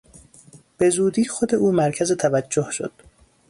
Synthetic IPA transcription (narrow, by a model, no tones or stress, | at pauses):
b̥e̞zuːd̪iːxod̪e̞ʔuːmæɾcʰæzet̪ʰævæd͡ʒːohʃo̰d̪̥